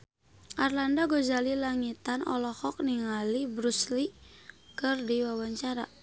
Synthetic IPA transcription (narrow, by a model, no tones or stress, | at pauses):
ʔarlandaɡozalilaŋit̪anɔ̰lɔhɔk̚niŋalibɾuslikɨrdiwawaɲt͡ʃaɾa̰